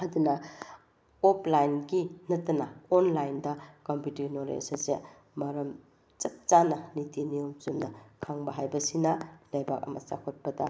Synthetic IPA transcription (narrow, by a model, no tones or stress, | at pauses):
ɐdunɐ | opʰlajnɡinɐtːɐnɐonlajndɐkomputɐɾinoɾḛsɐsḛ | mɐɾɐm | t͡ʃɐt̚t͡ʃanɐnitinijomt͡ʃumnɐkʰaŋbɐɦajbɐsinɐlɐjbak̚ɐ̰mɐ̰sa̰kʰot̚pɐdɐ